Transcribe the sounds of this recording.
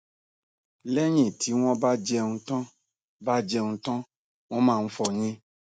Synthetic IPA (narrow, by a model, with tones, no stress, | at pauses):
lɛ˦ɲĩ˦˨tʰi˨˦w̃ɔ̃˦ba˦d͡ʒɛ˧ŋũ˧tɔ̃˦ | ba˦d͡ʒɛ˧ŋũ˧tɔ̃˦ | w̃ɔ̃˦mãː˦˨˧n̩˦fɔ˧˨ɲĩ˧˦